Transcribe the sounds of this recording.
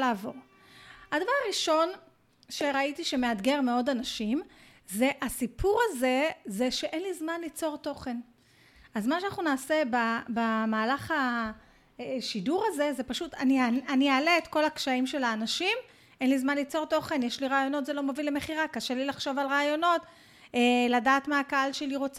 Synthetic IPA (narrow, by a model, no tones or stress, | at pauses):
aːvo̞ʁ | hadavaʁaʁiʃo̞n | ʃe̞ʁaitiʃe̞me̞ad̪ɡe̞ʁmeo̞danaʃim | ze̞ʔasipʰuʁaze̞zeʃe̞ʔenlizmanlit͡so̞ʁt̪o̞χe̞n | ʔazmaʃeanaχnunaːsebabamaːlaχa | eʃiduʁaze̞ze̞paʃut̪aniaaniaːleːtko̞lakʃaimʃe̞laːnaʃim | ʔenlizmanlit͡so̞ʁt̪o̞χe̞njeʃliʁaːjo̞no̞t̪zelo̞movileme̞χiʁakaʃelilaχʃo̞valʁaːjo̞no̞t | eladaːt̪maːkaalʃeliʁo̞t͡se